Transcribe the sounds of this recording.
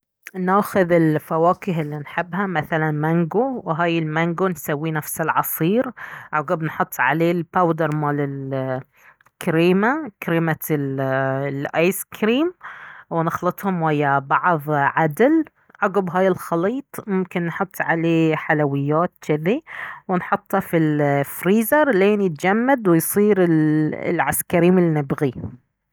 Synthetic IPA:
naːxʊðɪlfawaːkɪɦɪlːinħɪbːhamaθalanmaŋɡuwɦaːjɪlmaŋɡunsawːinafsɪlʕɑ̰sˤiːɾʕʊɡɪbnħʊt̪ˤːʕa̰leːlpawd̪ɑɾˤmaːlɪl | kɾiːmakɾiːma | lʔɑjskɾiːmwɪnɪxlɨt̪ˤhʊmwajːabɑʕðˤʕad̪l | ʕʊɡɪbɦaːjɪlxɑliːt̪ˤmʊmkɪnːħʊt̪ˤːʕaleːħalawɪjːaːt̪̚t͡ʃɪðiwɪnħʊt̪ˤːɑfilfɾiːzɑɾˤleːnjɪt̪d͡ʒamːad̪wɪjsˤiːɾɪl̰lʕaskaɾiːmɪlnɪbɣi

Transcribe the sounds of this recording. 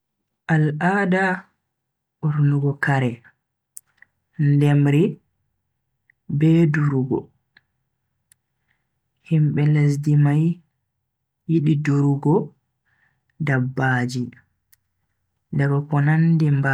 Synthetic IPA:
ʔalada | ʔuɾnuɡɔkaɾɛ | ndɛmɾi | bɛduɾuɡɔ̰ | himɓɛles̬dimaj | iɗiduɾuɡɔ | dabːaːd͡ʒi | daɡɔkɔnandɛmba

